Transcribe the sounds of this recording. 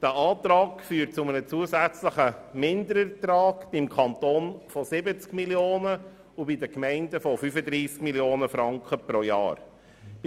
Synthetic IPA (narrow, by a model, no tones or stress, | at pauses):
d̥æʔɑːt̪ɾɑːkfyːɾt̚t͡sʊmənət͡suəsæt͡sləχəmɪnd̪əɾəɾtɾɑːɡb̥ɪmkʰɑnt̪oːnfɔsɪbət͡skmiljoːnə | ubidəkmɛɪndəfɔfyfəd̪ɾiːskmiljoːnəfɾɑŋkχəpɾojɑ̰ːɾ